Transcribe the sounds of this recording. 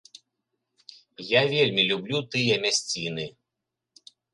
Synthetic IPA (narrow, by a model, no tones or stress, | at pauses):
javʲelʲmʲilʲublʲut̪ɨjɐmʲasʲt͡sʲinɨ